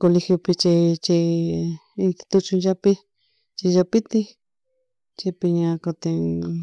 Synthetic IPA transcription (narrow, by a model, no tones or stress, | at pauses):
kolixjopit͡ʃit͡ʃi | it̪i̥t̪ut͡ʃũd͡ʒapi | t͡ʃiʒapit̪i | t͡ʃepiɲãkot̪e